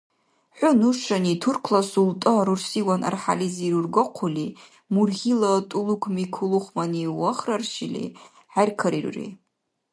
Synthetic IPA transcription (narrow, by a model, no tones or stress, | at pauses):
ħʷʊnuʂanitʰurkʰlasultʼɨaɾursiwanʔa̰rħa̰liziɾurɡoqʷʰʊli | murɣʲilatʼulukʷʰmikʰuluχʷmaniwaχrarʃilḭ | ħajrkʰaɾirrḛ